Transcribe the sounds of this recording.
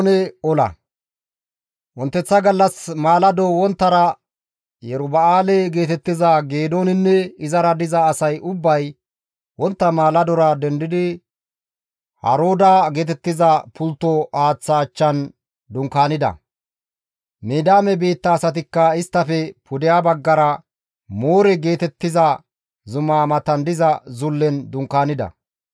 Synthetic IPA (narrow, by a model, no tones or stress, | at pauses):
nɛɔlɐ̰ | wɔnt̪ːɛt͡sːɐɡɐlːɐsmaːlɐd̪ɔwɔnt̪ːɐɾɐ | jɛɾʊbɐaːlɛɡe̞ːt̪ɛt̪ːɪzɐɡe̞ːd̪oːnɪnːɛɪzɐɾɐd̪ɪzɐːsɐjʊbːɐj | wɔnt̪ːɐmaːlɐd̪ɔɾɐd̪ɛnd̪ɪd̪ɪ | hɐ̰ɾoːd̪aɡe̞ːt̪ɛt̪ːɪzɐpʰʊlt̪ːɔaːt͡sːaːt͡ʃːɐn | d̪ʊŋkaːnɪd̪ɐ̰ | meːd̪aːmɛbeːt̪ːɐːsɐt̪̬ɪkːɐɪst̪ːɐfɛpʊd̪ɪjabɐɡːɐɾɐ | moːɾɛɡe̞ːt̪ɛt̪ːɪzɐ | zʊmaːmɐt̪ɐnd̪ɪzɐzʊlːɛnd̪ʊŋkaːnɪd̪ɐ̰